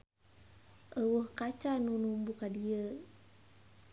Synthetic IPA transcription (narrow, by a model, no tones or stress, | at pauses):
ʔəwəhkat͡ʃanunumbukadiə